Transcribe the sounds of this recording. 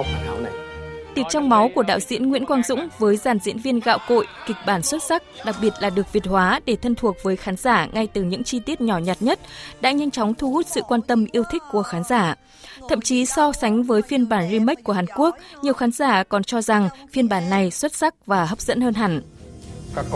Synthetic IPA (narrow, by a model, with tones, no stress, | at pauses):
t̪i˨˩ək̚t͡ɕɔ˧wŋ͡mma˨˦wku˧˩əɗa̰ː˧˨wzḭ˧˥ənŋwḭ˧˥ənkwaː˧nzʊ̰˧˥ŋ͡mvəː˨˦jzaː˨˩nzḭ˧˥ənvi˧ənɣa̰ː˧˨wko̰˧˨jkï˨˩k̟̚ɓaː˧˩nswə˦˥t̚sa˦˥k̚ɗa˨˩k̚ɓi˨˩ət̚laː˨˩ɗɨ˨˩ək̚vi˨˩ət̚hwaː˨˦ɗe˧˩t̪ʰə˧nt̪ʰu˨˩ək̚vəː˨˦jxaː˨˦nzaː˧˩ŋa˧jt̪ɨ˨˩ɲɨ̰˧˥ŋt͡ɕi˧t̪i˦˥ət̚ɲɔ˧˩ɲaː˨˩t̚ɲə˦˥t̚ɗa̰ː˧˥ɲa˧jŋ̟t͡ɕɔ˨˦wŋ͡mt̪ʰu˧hu˦˥t̚sɨ̰˧˨kwaː˧nt̪ə˧mʔi˧əwt̪ʰï˦˥k̟̚ʲku˧˩əxaː˨˦nzaː˧˩ | t̪ʰə̰˧˨mt͡ɕi˨˦sɔ˧sa˨˦jŋ̟vəː˨˦jfi˧ənɓaː˧˩nzi˧mə˦˥k̚ku˧˩əhaː˨˩nku˦˥ək̚ɲi˨˩əwxaː˨˦nzaː˧˩kɔ˨˩nt͡ɕɔ˧za˨˩ŋfi˧ənɓaː˧˩nːa˨˩jswə˦˥t̚sa˦˥k̚vaː˨˩ɦəː˦˥p̚z̥ə̰˧˥nhəː˧nɦa˧˩ŋ